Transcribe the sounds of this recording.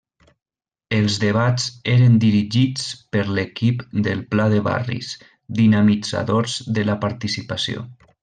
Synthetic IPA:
əlˠzðeβazeɾənd̪iɾiʒit͡spəɾlekipd̪əlˠplaðəβa̰rḭs | d̪inamid͡za̰ðoɾzðələpaɾt̪isipasio̰

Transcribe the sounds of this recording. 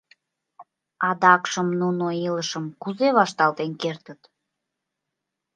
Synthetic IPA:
ɑd̪ɑkʃəmnunoiləʃəmkuzeβɑʃt̪ɑlt̪enkert̪ət̪

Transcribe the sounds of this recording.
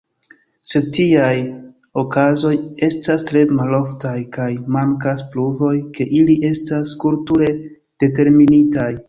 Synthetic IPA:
se̞d̚tiaj | o̞kazo̞je̞stastɾe̞malo̞ftajkajmaŋkaspluvo̞jke̞ʔiliʔe̞staskuɾtuɾe̞ | d̥e̞te̞ɾminitaj

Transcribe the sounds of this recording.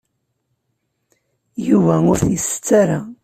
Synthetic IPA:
juvæʊɾθjsə̥t͡sːaɾa

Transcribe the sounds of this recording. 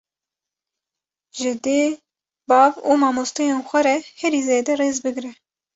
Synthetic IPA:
ʒɪd̪eː | bɑːvuːmɑːmost̪ɨjeːnxʷɛɾɛhɛɾiːzeːd̪ɛreːzbɨɡɾɛ

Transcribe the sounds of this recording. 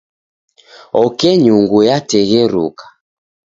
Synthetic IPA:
ɔkɛɲuŋɡujatɛɣɛɾṵkḁ

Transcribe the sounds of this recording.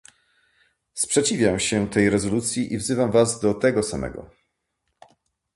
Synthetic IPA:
spʂɛt͡ɕivʲjamɕɛt̪ɛjɾɛzɔlut̪sʲjiʔivzɘvamvazd̪ɔt̪ɛɡɔsamɛ̰ɡɔ̰

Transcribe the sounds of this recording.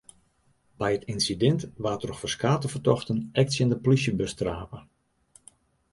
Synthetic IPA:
bɛjətinsidɛntʋaːtərɔxfɔrskaːtəvərtɔxtənɛk̚tsjəndəplisjəbəstraːpə

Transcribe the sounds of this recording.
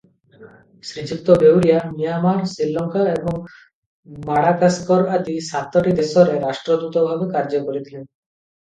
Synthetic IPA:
sɾit͡ɕik̚t̪ɔbewɾijamijamaɾsilːɔŋkʰaebɔŋ | maɽakaskɔɾad̪isat̪ːɔʈid̪esɔɾeɾaʃʈɾɔd̪ut̪ɔbʱabekaɾd͡ʒɔkoɾit̪ʰilen

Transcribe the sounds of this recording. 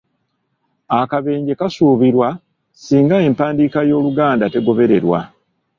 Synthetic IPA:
akaβe̞ːɲɟe̞kasuːβiɾwa | siːŋɡae̞mpaːndiːkajo̞ːluɡaːndate̞ɡo̞βe̞ɾe̞ɾwa̰

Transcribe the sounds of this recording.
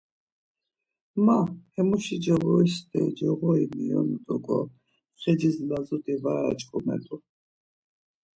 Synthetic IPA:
mahɛmuʃid͡ʒɛɣɔist̪ʼɛd͡ʒɛɣɔimijɔ̰nut̪ʼɔɡɔ | χɛd͡ʒizlazut̪ʼivaɾa̰t͡ʃʼkʼumɛ̰t̪ʼu

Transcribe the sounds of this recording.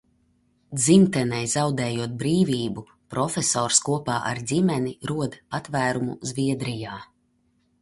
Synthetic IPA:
d̪zimt̪ɛnɛjzawd̪ɛːjuɔt̪̚bɾiːvʲiːbu | pɾɔfʲesɔːɾskuɔpaːʔa̰ɾdʲimɛniɾuɔd̪pat̪væːɾumṵzvʲiɛd̪ɾijaː

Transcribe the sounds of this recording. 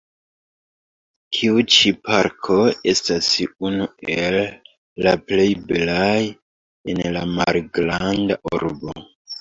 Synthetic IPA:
kʰiut͡ʃipʰaɾkʰo̞e̞stasunue̞lː | aple̞jbelaj | enlamalɡɾandaʔuɾbo

